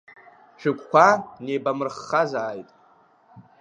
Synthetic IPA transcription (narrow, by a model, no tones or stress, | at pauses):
ʃᶣɪkʷʼkʷanejbamɨrχːazaːjtʼ